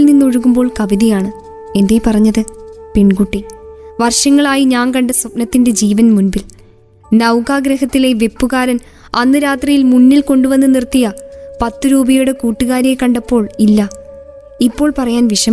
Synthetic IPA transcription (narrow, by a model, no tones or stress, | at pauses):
lninːuoɻuɣumbo̞ːɭkɐʋiðijaːɳɨ | e̞nd̪eːpɐrɐɲːɐðɨpeɳkuʈːiʋɐrʂɐŋːɐɭaːjiɲaːnkɐɳɖɐsɐp̚nɐt̪ːinde̞d͡ʑiːʋɐnmunbil | nɐwkaːɡɾɐhɐt̪ːile̞ʋe̞pːuɣaːɾɐn | ɐnːɨɾaːt̪rijilmunːilko̞ɳɖuʋɐnːɨnirt̪ːijɐpɐt̪ːuɾuːbɐjuɽekuːʈːuɣaːɾekːɐɳɖɐpːo̞ːɭilːɐ | ipːo̞ːɭpɐrɐjaːnʋiʂɐm